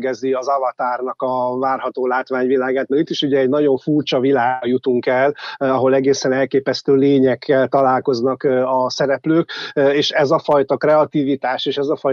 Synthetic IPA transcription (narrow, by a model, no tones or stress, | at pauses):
ɡɛziɒzɒvɒt̪aːrnɒkɒvaːrɦɒt̪oːlaːt̪ʋaːɲvilaːɡaːt̪̚nɛit̪ːiʃuɟɛːɟnɒɟo̞ɱfuːrt͡ʃɒvilaːjut̪uŋkɛlɒɦo̞lɛɡeːsɛnɛlkeːpɛst̪øːleːɲɛkʰːɛlt̪ɒlaːlko̞znɒkɒsɛɾɛpløːkeːʃɛzɒfɒjt̪ɒkrɛɒt̪iːvit̪aːʃeːʃɛzɒfɒj